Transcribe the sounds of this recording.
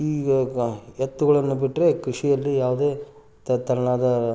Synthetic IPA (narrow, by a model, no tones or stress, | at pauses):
iːɡɐɛt̪ːuɡɐɭɐnːubiʈːɾe̞kɾiʂijɐlːijaːʋud̪e̞ː | t̪ɐnːaːd̪ɐ